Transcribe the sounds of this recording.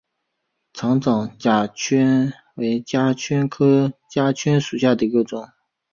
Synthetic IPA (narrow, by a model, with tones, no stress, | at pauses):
ʈ͡ʂʰɑ˧˥ŋʈ͡ʂɑ˨˩ŋt͡ɕja˨˩t͡ɕʰɥɛ˥n | we˧˥ɪt͡ɕja˥t͡ɕʰɛ˥nkʰɤ˥t͡ɕja˥t͡ɕʰɛ˥nʂu˨˩ɕja˥˩d̪ə˩i˧˥ɡə˧ʈ͡ʂʊ˨˩˦ŋ